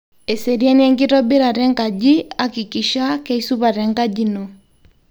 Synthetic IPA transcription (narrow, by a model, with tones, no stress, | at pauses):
e˨se˨ɾi˦a˦ni˦ɛ˦ŋɡi˦ɾɔ˦be˦ɾa˨ɾɛ˦ŋɡa˨d͡ʒi˦a˦ki˨ki˨ʃa˦kɛ˦i˦su˦βa˨ɾɛ˨ŋɡa˦d͡ʒi˦no˨